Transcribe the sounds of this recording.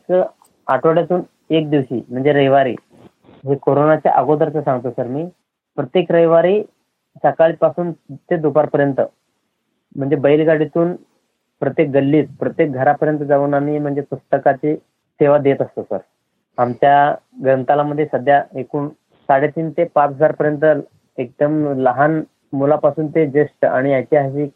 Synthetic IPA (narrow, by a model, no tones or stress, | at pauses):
kə | aʈʰʋoɽjat̪uːn | ek̚d̪iʋɕḭːm̤əɳd͡zeɾəjʋaɾḭː | ɦekoɾonat͡ɕja̰ʔa̰ɡod̪əɾt͡səsãŋɡt̪osəɾmiː | pɾət̪jekɾəjʋaɾiː | səkaɭipasuːnt̪ed̪upaɾpəɾjənt̪ə | m̤əɳd͡zebəjilɡaɽit̪uːn | pɾət̪jek̚ɡəlːiːt͡s̪pɾət̪jek̚ɡʱəɾapəɾjənt̪əd͡zauːnamim̤əɳd͡zepust̪əkat͡ɕiː | seʋad̪et̪əst̪osə̰ɾ | amt͡ɕjaɡɾənt̪alaməd̪ʱːjesəd̪ʱjaekuːn | saɽet̪iːnt̪epat͡sɦəd͡zaɾpəɾjənt̪̬ə | ek̚d̪əmləɦan | mulapasuːnt̪ed͡ʑeʂʈəa̰ɽ̃iajt͡ɕiɦaɕ̬i